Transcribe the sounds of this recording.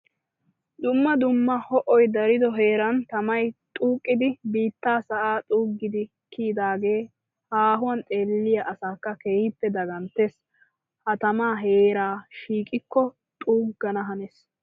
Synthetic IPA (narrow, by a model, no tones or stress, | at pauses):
d̪ʊmːɐd̪ʊmːɐhɔʔɔjd̪ɐɾɪd̪ɔɦe̞ːɾɐnt̪ɐmɐjt̪ʼuːkʼːɪd̪ɪbiːt̪ːaːsɐʔaːt̪ʼuːɡːɪd̪ɪ | kʰiːd̪aːɡe̞ː | haːɦʊwɐnt̪ʼe̞ːlːɪjɐʔɐsaːkːɐke̞ːhɪpːɛd̪ɐɡɐnt̪ːes | hɐt̪ɐmaːɦeːɾaːʃiːkʼɪkːɔ | t̪ʼuːɡːɐnɐɦɐnes